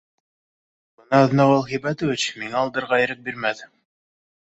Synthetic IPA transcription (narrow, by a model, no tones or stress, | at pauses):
bɤ̆nɑðɤnɑwɑlˠχibæt̪ŏvɘt͡ɕmiŋæɑlˠd̪ɤɾʁɑĕɾɘk̚biɾmæðɘ